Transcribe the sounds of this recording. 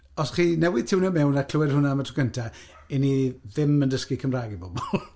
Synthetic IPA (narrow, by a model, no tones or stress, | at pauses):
ɔsχiːnɛwɪð̥tʰɪwnɛmɛwnakʰləwɛrhʊnamatʰəɡəntʰa | iniðɪməndəskikʰəmraːɡibɔbɔlˠ